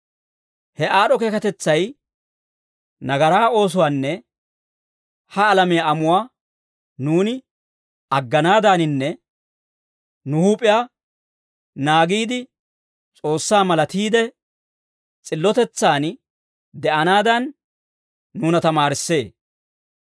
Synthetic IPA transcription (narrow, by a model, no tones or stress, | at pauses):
hɛaːɗɔkeːkɐt̪ɛt͡sːɐj | nɐɡɐɾaːo̞ːs̬ʊwaːnːɛ | hɐːlɐmɪjaɐmʊwaː | nuːnɪ | ɐɡːɐnaːd̪aːnɪnːɛ | nʊhuːpʼɪjaː | naːɡiːd̪ɪ | t͡sʼo̞ːsːaːmɐlɐt̪iːd̪ɛ | t͡sʼɪlːɔt̪ɛt͡sːaːn | d̪ɛʔɐnaːd̪ɐnː | uːnɐt̪ɐmaːɾɪsːe̞ː